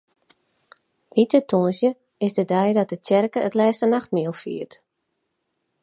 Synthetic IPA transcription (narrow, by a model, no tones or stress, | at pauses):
ʋitətʰuənsjə | ɪsdədɛjdɔt̚ətɛrkəətlɛːstənaxt̚miəlˠfḭːət